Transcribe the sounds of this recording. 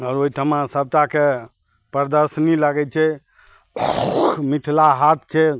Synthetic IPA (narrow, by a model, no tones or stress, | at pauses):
ɔːɾoɦit̪ʰəmãsəb̚t̪ake | pɾəd̪əɾsniləɡɛt͡ʃʰɛ | kmit̪ʰlaɦat̪̚ʰt͡ʃʰɛ